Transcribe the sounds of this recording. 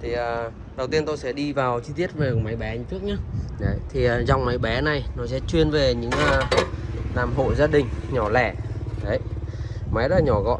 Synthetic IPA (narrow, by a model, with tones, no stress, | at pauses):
t̪ʰi˨˩ʔəː˨˩ | ɗə˨˩wt̪i˧ənt̪o˧jsɛ̰˧˥ɗi˧vaː˨˩wt͡ɕi˧t̪i˦˥ət̚ve˨˩˨ma˨˦jɓɛ˨˦ɲɨ̰˧˦t͡ɕɨ˦˥ək̚ɲaː˨˧˦ɗə˨˦jt̪ʰi˨˩˨za˨˩wŋ͡mma˨˦jɓɛ˨˦na˨˩jnɔ˨˦sɛ̰˧˥t͡ɕwi˧ənve˨˩ɲɨ̰˧˥ŋəː˧ | laː˨˩mɦo̰˧˨zaː˧ɗï˨˩ŋ̟ɲɔ˧˩lɛ˧˩ɗə˨˦jma˨˦jɗɔ˧˦˥la˨˩ɲɔ˧˩ɣɔ̰˧˨